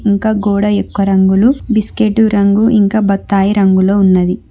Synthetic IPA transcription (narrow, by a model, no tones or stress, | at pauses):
iŋkaːɡoːɽɐekːɐɾɐŋɡulubiskeʈːuɾɐŋɡuʔiŋkaːbɐt̪ːaːjiɾɐŋɡuloːunːɐd̪i